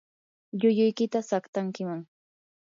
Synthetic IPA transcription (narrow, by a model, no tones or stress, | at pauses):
ʎʊjʊjkɪt̪asakt̪aŋkɪmaŋ